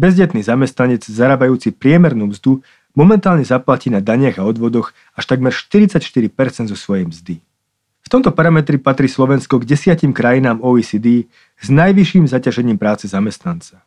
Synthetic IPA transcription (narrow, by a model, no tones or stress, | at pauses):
bɛzɟɛt̪niːzamɛst̪naɲɛd͡zzaɾaːbajuːt͡sipɾɪɛmɛɾnuːmzd̪u | mɔmɛnt̪aːlɲɛzaplaciːnad̪aɲɪaɣaɔd̪ʋɔd̪ɔx | aʃt̪aɡmɛɾʃt̪iɾit͡sacʃt̪iɾipɛɾt͡sɛnd̪zɔsʋɔjɛjmzd̪i | ft̪ɔmt̪ɔpaɾamɛt̪ɾipat̪ɾiːslɔʋɛnskɔɡɟɛsɪacimkɾajinaːmɔiːsid̪iː | znajʋiʃiːmzacaʒɛɲiːmpɾaːt͡sɛzamɛst̪nant͡sa